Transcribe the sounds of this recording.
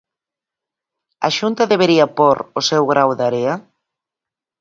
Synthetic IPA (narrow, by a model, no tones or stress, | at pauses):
ɐ̰ʃunt̪ɐðeβeɾiɐpoɾosewɣɾawðaɾeɐ